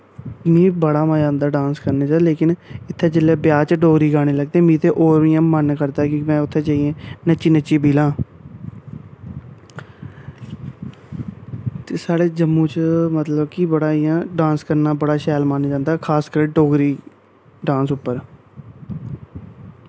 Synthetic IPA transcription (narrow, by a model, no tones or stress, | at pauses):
mĩːbəɽaːmãːd͡ʒãːnd̪aːɖãːnskəɾneːt͡ʃaleːkɪnɪt̪ʰːẽːd͡ʒɪlːeːbjaːt͡ʃɖoːɡɾiːɡaːɽ̃eːləɡ̚d̪eɛ̃ːmĩːt̪ʰeːʔoːɾʋijãːmənkəɾd̪aːkɪmɛ̃ːʊt̪ʰːẽːt͡ʃaːiẽːnət͡ʃiːnət͡ʃiːbiːlãː | t̪eːsaːɽeːd͡ʒəmːũːt͡ʃmət̪ləbkiːbəɽaːijãːɖãːnskəɾnaːbəɽaːʃɛːlmãːnd͡ʒãːnd̪aːkʰaːskəɾʈoːɡɾiː | ɖãːnsʊpːəɾ